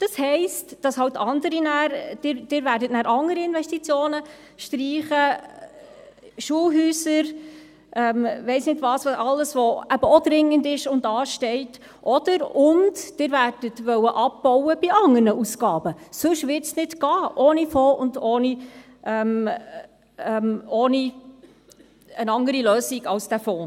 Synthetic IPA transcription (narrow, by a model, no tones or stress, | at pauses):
d̥ɑshɛɪstd̥ɑshɑwtɑndəɾinæːɾd̥ɪːɾd̥ɪːɾvæːɾdətnæːɾʔɑŋːəɾiɪnvɛstit͡sjoːnə | ʃtɾiːχə | ʃuːəlɦyːsəɾ | ʔɛmʋɛɪsnɪdvɑːsʋɑɑlːəsʋɔæb̥əɔdɾɪŋːəndɪʃʊndɑːʃtɛɪt | ʔɔd̥əɾʊntd̥ɪɾværd̥ətʋœwəʔɑp̚b̥ɔwəb̥ɪʔɑŋːərnəusɡɑːbəsɵʃʋɪtsnɪtɡ̥ɑːʔoːnifɔːʔʊndoːni | ʔɛm | ɛmoːni | ənɑŋəɾiløːsiɡɑlsd̥æfoː